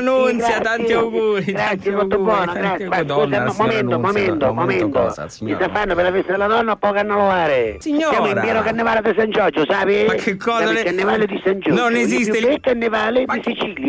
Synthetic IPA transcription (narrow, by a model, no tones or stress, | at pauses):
nunɡɾjat̪asiawɡuːɾiɡɾat̪sːjemɔt̪ːobːwɔːnaɡɾat̪sjɪmaskuːsammɔmɛnt̪omɔmɛnt̪omɔmɛnt̪o̰kist̪afanːʊpɪlafɛst̪ad̪ɪlːanɔnːapːɔkanːalʊaːɾɪssjaːmʊimpjɛːnokanːɪvaːlɪd̪ɪs̬ant͡ʃɔd͡ʒʊsaːpɪkːekːɔakːanːɪvaːlɪd̪isand͡ʒunezisɪkːanːɪvaːlɪd̪isit͡ʃilja